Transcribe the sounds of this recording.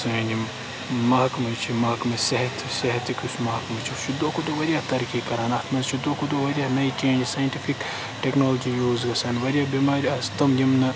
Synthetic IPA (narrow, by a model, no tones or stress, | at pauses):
sɐnʲim | maːkmɐt͡ʃʰimaːkmɐsɐɦɐt̪ʰsɐɦɐt̪ikʲusmaːkmɐt͡ʃʰit͡ʃʰud̪oːkʰud̪oʋɐɾijaːt̪ɐɾkikɐɾaːnat̪ʰmɐzt͡ʃʰid̪oːkʰud̪oʋɐɾijaːnɐit͡ʃẽːnd͡ʒsajɳʈipʰik | ʈeknoːlod͡ʒijuːzɡɐsɐːnʋɐɾiabimaːɾʲiɐst̪ɐmjʲimnɐ